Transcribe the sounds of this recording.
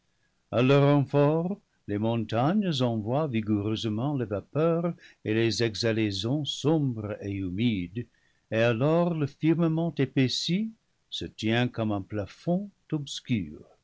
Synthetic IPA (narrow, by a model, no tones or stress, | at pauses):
alœʁɑ̃fɔʁ | lemɔ̃taɲəzɑ̃vwaviɡuʁøzəmɑ̃levapœʁelezɛɡzalezɔ̃sɔ̃bʁeymid̪ | ealɔʁləfiʁməmɑ̃tepesi | sətjɛ̃kɔmɛ̃plafɔ̃d̥ɔbsky̰ːʁ